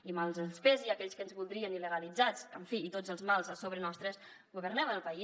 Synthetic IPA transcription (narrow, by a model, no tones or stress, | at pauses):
imalˠzəlˠspeziakɛʎskənzβulˠd̪ɾiəniləɣəlid͡zat͡səɱfiːt̪od͡zəlˠzmalˠzəsoβɾənɔst̪ɾəs | ɡuβərnɛβənəlˠpəi